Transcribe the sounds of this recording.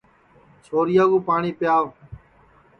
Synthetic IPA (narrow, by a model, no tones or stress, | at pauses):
t͡ʃʰoːɾijaːɡuːpaːɳiːpɪjaːʋ